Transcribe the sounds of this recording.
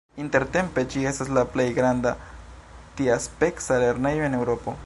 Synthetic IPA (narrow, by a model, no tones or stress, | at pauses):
inte̞ɾt̪e̞mpe̞t͡ʃie̞staslaplejɡɾanda | t̪iaspe̞ksale̞ɾne̞joe̞ne̞wɾo̞po̞